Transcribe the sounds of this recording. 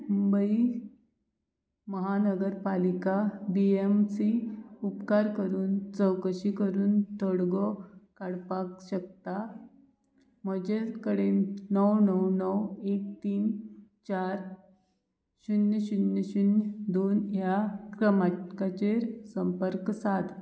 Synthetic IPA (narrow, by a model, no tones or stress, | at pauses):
mumbəi | məɦanəɡəɾpalikabiemsiupkaɾkəɾuːnt͡səwkəɕikəɾuːnt̪ɔɽɡɔkaɽpakɕək̚t̪a | m̤əd͡ʑekəɽennəwnəwnəwek̚t̪iːnt͡ɕaɾ | ɕunjəɕunjəɕund̪onjakɾəmakat͡ɕeɾsəmpəɾksat̪